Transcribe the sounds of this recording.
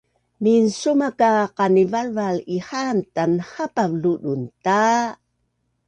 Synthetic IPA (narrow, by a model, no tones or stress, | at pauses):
minsumakaqanivalvalihantanhapavluɗunta